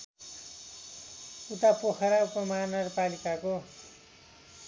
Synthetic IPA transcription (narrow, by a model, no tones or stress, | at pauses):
uʈ̪apokʰʌɾaupʌmanʌrpalikako